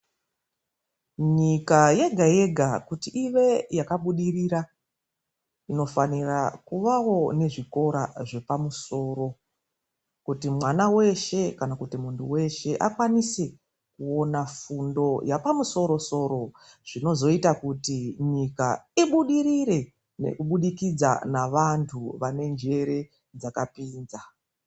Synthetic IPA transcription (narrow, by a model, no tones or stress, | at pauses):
ɲikaje̞ɡʱaje̞ɡʱakutiʔiʋe̞jakaɓuɗiriɾa | ino̞fanirakuʋawo̞ne̞ʐiko̞ɾa̰ʐe̞pamuso̞ːɾo̞ | kutimwanawe̞ʃe̞kanakutimuntʰuwe̞ʃe̞ʔa̰kwanise | kuo̞nafundo̞japamuso̞ɾo̞so̞ːɾo̞ | ʐ̥ino̞zo̞itakutiɲikaiɓuɗiɾiɾe̞ | nḛkuɓuɗikid͡za̰naʋantʰuʋane̞nd͡ʒe̞ɾe̞ | d͡zakapiːnza